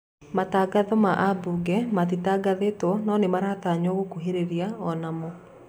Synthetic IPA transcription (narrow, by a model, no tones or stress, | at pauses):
mataːɡaðɔmaʔabuɡɛmat̬itaɡaðetɔnɔnemaɾaːtaɲɔɣokuɦeɾeɾiaɔnamɔ